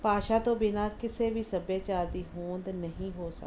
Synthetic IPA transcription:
paːʃaːt̪õːbɪnaːkɪseːʋiːsəbeːt͡ʃaːld̪iːɦoːnd̪nəɦĩːɦoːsə̰k

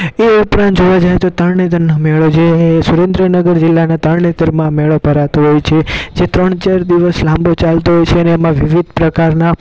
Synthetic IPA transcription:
eupɾãnt̪d͡ʒoʋad͡ʒajet̪ot̪əɾɳet̪əɾnəmɛɭod͡ʒesuɾẽnd̪ɾənəɡəɾd͡ʒilːanat̪əɭɳet̪əɾmãmeɭobʱəɾat̪oɦɔjt͡ʃʰed͡ʒet̪ɾəɳt͡ʃaɾd̪iʋəslãmbot͡ʃalt̪oɦɔjt͡ʃʰeəneːmãʋiʋid̪̚ʱpɾəkaɾna

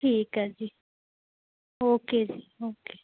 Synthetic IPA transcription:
hikazi | okezioke̥

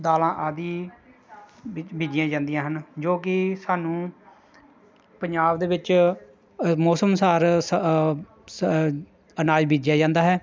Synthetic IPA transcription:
d̪aːlãːʔaːd̪iː | biːd͡ʒɪjãːd͡ʒãːnd̪ijãːɦənd͡ʒoːkɪsaːnũː | pəɲd͡ʒaːbd̪eːʋɪt͡ʃ | mɔːsəmsaːɾs | ənaːd͡ʒbʱiːd͡ʒjaːd͡ʒãːnd̪aːɦɛː

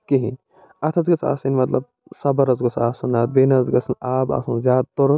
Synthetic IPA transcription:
kiɦĩ | ɐt̪ʰɐzɡɐt͡sʰa̰ːsinmɐt̪lɐ̰b̚ | sɐbɐɾɐzɡɐt͡sʰaːsunaːt̪̚benazɡɐsʰɐnaːba̰ːsunzʲjaːd̪̚t̪oɾu

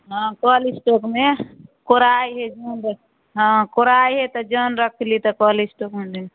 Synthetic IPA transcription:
ɦə̃kɔlisʈokmekoɾajɦed͡ʒənɾək | ɦə̃koɾajɦet̪ɔd͡ʒənɾəkʰlit̪ɔkɔlisʈokmene

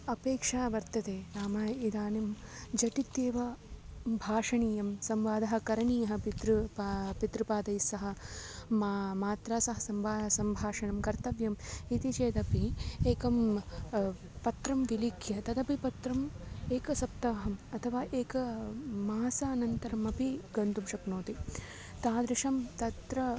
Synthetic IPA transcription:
ɐpeːkʂaːbɐɾt̪ɐt̪eːɾaːmaid̪aːnemd͡ʒɐʈit̪jeːʋɐ | bʱaːʂɐɳiːjɐmsɐmʋaːd̪ɐɦɐ̆kɐɾɐɳiːɐɦɐ̆pit̪ɾuppit̪ɾupaːd̪ɐjsɐɦɐ̆ | amaːt̪ɾaːsɐɦɐsɐmʋaːsɐmbʱaːʂɐɳɐmkɐɾt̪ɐʋjɐmit̪it͡ʃeːt̪ɐpieːkɐm | pɐt̪ɾɐmʋilikʰjɐt̪ɐd̪ɐpipɐt̪ɾɐmeːkɐsɐp̚t̪ɐʋɐɦɐmɐt̪ʰɐʋaːʔeːkɐmaːsaːnɐnt̪ɐɾɐmɐpiɡɐnt̪umʃɐknoːt̪i | t̪aːd̪ɾɪʂɐmt̪ɐt̪ɾɐ

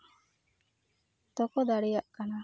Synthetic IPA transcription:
t̪ɔkɔd̪aɽɛjaʔkana

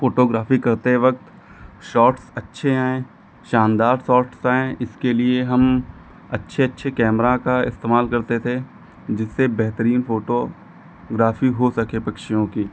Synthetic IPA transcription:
foːʈoːɡɾaːfikɐɾt̪eʋɐk̚t̪ | ʃɔːʈsɐtːʃʰeaːẽː | ʃãːnd̪aːɾsɔːɾʈsaːẽʔɪskelieɦɐm | ɐtːʃʰeɐtːʃʰekɛːmɾakaɪ̰st̪eːmaːlkɐɾt̪et̪ʰe | d͡ʒɪsːebɛɦt̪əɾiːnfoːʈo | ɡɾaːfiɦosɐkepɐkʃijõkiː

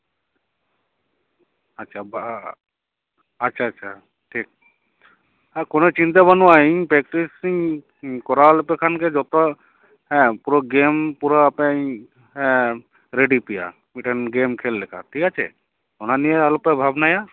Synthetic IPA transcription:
atːʃʰab | ɐtːʃʰaɐtːʃʰa | ʈʰik̚ | akonot͡ɕint̪abanuwaiɲpɾɛkʈisiŋ | kɔɾaalopekʰanked͡ʒɔt̪o | ɦɛ̃puɾoɡempuɾaːpe | ɦɛ̃ | ɾeɖipija̰ | miʈenɡemkʰelːekʰa̰ʈʰikat͡ʃʰḛ | onaniealopebʱabnaja

